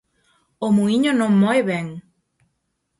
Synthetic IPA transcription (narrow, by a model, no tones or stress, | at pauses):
omuiɲonõŋmɔeβeŋ